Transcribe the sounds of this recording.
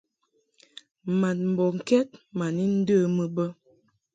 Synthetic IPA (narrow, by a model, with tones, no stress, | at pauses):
ma˨t̚m̩˨bɔ˨ŋ̩˨kɛ˦t̚ma˨ni˦n̩˦də˦˨mə˦bə˦